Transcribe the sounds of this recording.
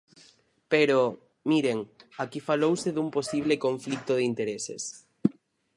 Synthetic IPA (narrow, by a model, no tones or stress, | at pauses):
peɾo | miɾeŋakifalowseðumposiβ̞lɪkõɱflik̚t̪oðint̪eɾesḛs